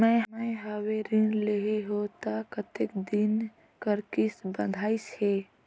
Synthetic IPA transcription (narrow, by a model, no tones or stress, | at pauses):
mɛ̃məɦaweɾɪnleɦeɦot̪akət̪ekd̪ɪn | kəɾkɪsbə̃nd̪ʱaːise